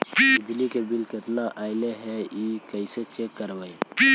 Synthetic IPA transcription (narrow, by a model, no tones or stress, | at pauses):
bɪd͡ʒ̪likebɪlkɪt̪naʔaːɪleɦɛiːkəɪset͡ʃekːəɾʋəi